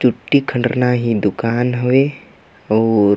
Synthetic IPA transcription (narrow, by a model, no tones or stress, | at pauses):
t͡ʃʊʈːikʰə̃ɳɖɾnaɦid̪ʊkaːnɦoe | ɔːɾ